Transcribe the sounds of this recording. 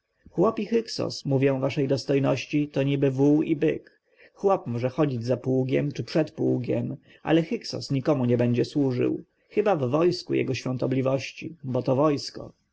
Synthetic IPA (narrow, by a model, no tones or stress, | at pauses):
xwɔpixɘksɔ̰smuvʲjɔ̃w̃vaʂɛjd̪ɔst̪ɔjnɔɕt͡ɕit̪ɔɲibɘvuibɘ̰k | xwɔpmɔʐɛxɔd͡ʑid͡ʑzapwuɡʲɛmt͡ʂɘpʂɛt̪puɡʲjɛm | ʔa̰lɛxiksɔ̰sɲikɔmuɲɛbɛɲd͡ʑɛswuʐɘ̰w | xɘbavːɔjskṵjɛ̰ɡɔɕfʲjɔ̃nt̪ɔblʲivɔɕt͡ɕḭbɔt̪ɔvɔjskɔ̰